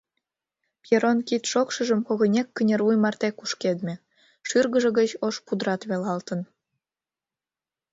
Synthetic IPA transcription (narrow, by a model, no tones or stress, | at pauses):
pjeɾonkit̪ʃokʃɤ̆ʒə̆mkŏɣɤ̆nʲekːənʲerujmɑrt̪ekuʃked̪mʲĕ | ʃyrɣə̆ʒə̆ɣət͡ɕoʃpud̪ɾɑt̪βelɑlt̪ə̆n